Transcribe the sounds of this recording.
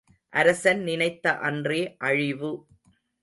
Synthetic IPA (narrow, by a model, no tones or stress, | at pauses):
ʔɐɾɐsɐnnɪnɐɪt̪ːɐʔɐndreːʔɐɻɪʋɯ